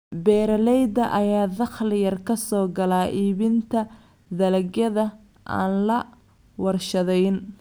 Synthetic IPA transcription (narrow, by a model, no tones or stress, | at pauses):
bɛːɾɐlɛjd̪ɐʔɐjaːðɑχlɪjɐrkʰɐsɔːɡɐlaːʔiːβɪnt̪ʰɐ | d̪ɐlɐɡjɐðɐ | ʔa̰ːnlɐ | wɐrʃɐðɛjn